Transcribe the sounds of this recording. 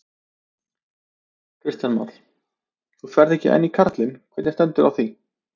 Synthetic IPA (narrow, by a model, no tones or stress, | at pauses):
kʰɾɪst̪janma̰t̪l̥ | θufɛɾðɛhcɪʔɛ̰nːikʰaɾt̪lɪnkʰvɛːt̪nɪnst̪ɛnt̪ʏɾawθi